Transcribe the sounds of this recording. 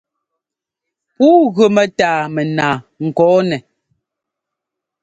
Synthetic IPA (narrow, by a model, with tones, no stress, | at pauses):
puː˦ɣʉ˨mɛ˨taː˨mɛ˨naː˨ŋ̩˨kɔː˨˦nɛ˨